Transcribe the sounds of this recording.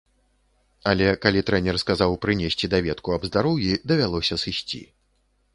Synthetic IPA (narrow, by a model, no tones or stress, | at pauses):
alʲɛkalʲit̪ɾɛnʲɛrskazawpɾɨnʲesʲt͡sʲid̪avʲɛt̪kuɐbzd̪aɾɔwjʲid̪ɐvʲalˠɔsʲɐsɨsʲt͡sʲḭ